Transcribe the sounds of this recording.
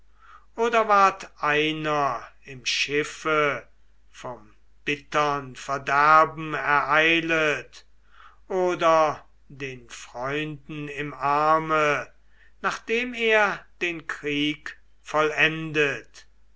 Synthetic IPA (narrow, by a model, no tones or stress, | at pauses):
ʔoːdɐvaɐtʔaɪnɐɪmʃɪfə | fɔm | b̥ɪtɐnfɛɐdæɐbm̩ɛɐʔaɪlət | ʔoːdɐ | deːnfʁ̥ɔʏndn̩ɪmaɐmə | naːχd̥eːmeːɐd̥eːnkʁiːk | fɔlɛndət